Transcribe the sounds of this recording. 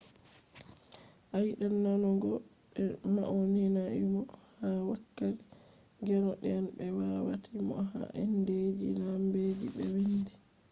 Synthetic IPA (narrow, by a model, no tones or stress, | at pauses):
ʔajɗanːanɔɡɔ | ɓɛmaʔɔninaʔimɔhawakːaɾi | ɡɛnɔɗɛnɓɛwawatʰimɔ̰ɦa̰ʔɛnded͡ʒilambed͡ʒiɓɛwindi